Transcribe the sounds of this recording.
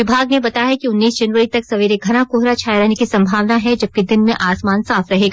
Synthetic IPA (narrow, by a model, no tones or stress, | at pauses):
ɪbʱaːɡnebɐt̪aɦɛkiʊnːiːsd͡ʒɐnʋəɾit̪ɐksɐʋiːɾeɡʱɐnakoːɦɾat͡ʃʰaːjɾɐɦnekisɐ̃mbʱaːʋnaɦɛd͡ʒɐb̚ked̪ɪnmẽʔaːsmaːnsaːfɾɐɦeːɡa